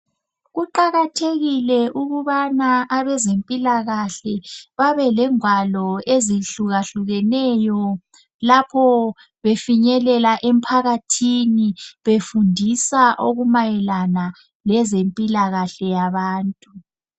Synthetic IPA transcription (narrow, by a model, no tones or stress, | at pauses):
ɣuǃaɣatʰeɣilɛʔuɣuβanaʔaβɛzempʼilaɣaɬɛβaβɛlɛŋwalɔeziɬuɣaɬuɣɛnɛjɔ | lapʰɔ | βefiɲɛlɛlaʔem̩pʰaɣatʰiniβefundʱisaʔoɣumajɛlana | lɛzempʼilaɣaɬɛjaβaːntʼu